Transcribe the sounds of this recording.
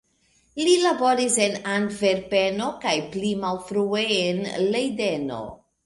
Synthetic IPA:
lilabo̞ɾise̞nandve̞ɾpe̞no̞kajplimalfɾueenlejde̞no̞̰

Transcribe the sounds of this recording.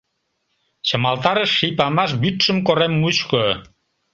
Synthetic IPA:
t͡ɕə̆mɑlt̪ɑɾəʃːijpɑmɑʃbyt̪ʃə̆mkoɾemːut͡ɕko

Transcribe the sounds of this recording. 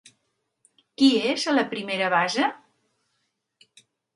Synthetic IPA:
kiezələpɾimeɾəβazə

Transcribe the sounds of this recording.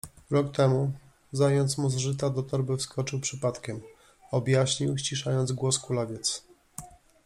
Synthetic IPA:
ɾɔkt̪ɛmu | zajɔnt̪smuzʐɘt̪ad̪ɔt̪ɔɾbɘfskɔt͡ʂɘwpʂɘpat̪kʲɛm | ɔbʲjaɕɲiwɕt͡ɕiʂajɔnd̪zɡwɔskulavʲjɛt̪s

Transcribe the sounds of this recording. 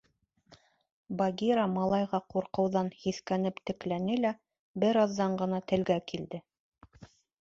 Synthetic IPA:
bɑɡʲiɾɑmɑlˠɑjʁɑquɾqɤ̆wðɑnhiθkænɘpt̪ɘ̆klænɘlæ | bɘ̆ɾɑðːɑɴɢɤ̆nɑt̪ɘ̆lɡækild̪ɘ

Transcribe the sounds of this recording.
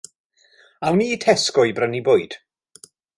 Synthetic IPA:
awniːtʰɛskɔjbrəniboːɨd̥

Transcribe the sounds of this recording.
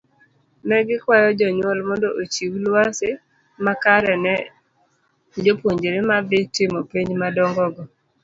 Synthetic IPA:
nɛɡɪkwajɔd͡ʒɔɲwɔlmɔndɔʔot͡ʃiwlwasɪ | makaɾɛnɛ | d͡ʒopwoɲd͡ʒeɾɪmabɪtɪmɔpiɲd͡ʒmadɔŋɡɔɡɔ

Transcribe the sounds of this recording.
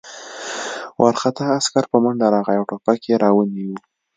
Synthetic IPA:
wʔaɾxat̪aːskaɾpəmaɳɖaɾɑɣajawʈopakeɾɑwaniwu

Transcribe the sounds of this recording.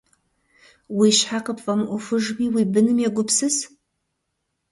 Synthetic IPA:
wiʃħaqəpʰfɐmʔʷʊfɨʐmiwibɨnɨmjaɡʷʊpsɨz

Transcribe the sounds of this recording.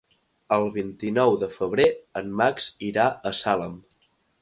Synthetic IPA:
əlˠβint̪inɔwðəfəβ̞ɾeənmːakziɾaʔəsaləm

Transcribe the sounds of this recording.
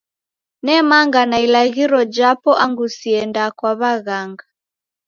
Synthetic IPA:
nɛmaŋɡanailaɣiɾɔd͡ʒapɔʔaŋɡusiɛndakwaβaɣaŋɡa

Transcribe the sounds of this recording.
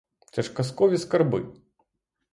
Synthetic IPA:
t͡sʲɐʂkaskɔvʲiskarbɨ̰

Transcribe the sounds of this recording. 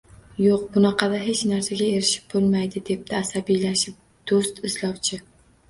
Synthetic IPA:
joq̚bʊnɑqʰɑd̪aɦe̞t͡ʃnaɾsaɡʲaeɾɪʃɪ̥p̚bolˠmajd̪ɪd̪e̞p̚t̪ʰɪːsabijlaʃɪp̚ | d̪̥ost̪ɪslɒwt͡ʃʰɪ

